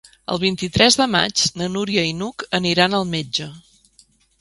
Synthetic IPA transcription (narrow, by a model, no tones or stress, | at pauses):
ə̰lˠβ̞int̪it̪ɾɛzðəma̰d͡ʒnənuɾiəinukəniɾanəlˠmed͡ʒə